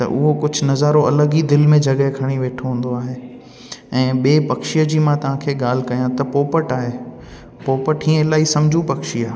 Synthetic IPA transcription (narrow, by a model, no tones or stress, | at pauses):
t̪ɐ̰ʔʊɦokʊd͡ʑʱʊnɐzaːɾoɐləɡid̪ɪlmẽd͡ʑɐɠəɦekʰɐɽ̃iʋeːʈʰoɦũːn̆d̪oaːɦe | ɛ̃ːɓeːpɐkʃijəd͡ʑiːmãt̪ɐʋ̤ãkʰeːɠaːl̤ɪkɐjãt̪ɐpoːpəʈaːɦeː | poːpəʈiːə̃laːisɐmd͡ʑʱupɐkʃija